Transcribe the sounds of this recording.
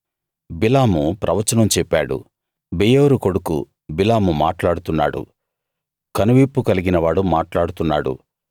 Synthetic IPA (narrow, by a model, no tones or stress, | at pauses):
bilaːmupɾʔɐʋɐt͡ʃːɐnɐmt͡ʃɛpːaːɽṵ | bijoːɾuko̞ɽukṵ | bilaːmumaːʈlaːɽut̪unːa̰ːɽṵ | kɐnuʋiːpːukɐliɡinɐʋaːɽumaːʈlaːɽut̪unːa̰ːɽṵ